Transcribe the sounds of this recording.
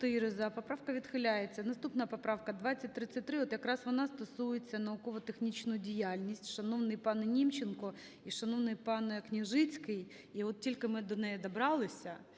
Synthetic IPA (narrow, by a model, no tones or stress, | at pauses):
t̪ɪɾɪzɐpɐpɾɑwkɐʋʲid̪xɪlʲajet͡sʲːɐnɐst̪upnɐɐpɐpɾɑwkɐd̪ʋɑt͡sʲːɐt̚ʲt̪ɾɪt͡sʲːɐt̚ʲt̪ɾɪɔt̪jɐkɾɑsʋɔnɑst̪ɔsujet͡sʲːɐnɐʊkɔʋɔt̪exnʲit͡ɕnʊjʊdʲijalʲnʲisʲtʲʃɐnɔʋnɪjpɑnnʲimt͡ɕɪnkɔ | iʃɐnoʋnɪjpɑnknʲiʒɪt͡sʲkɪj | iɔt̪̚tʲilʲkɪmɪd̪ɔnɛjɛd̪ɐbɾɑlˠɪsʲɐ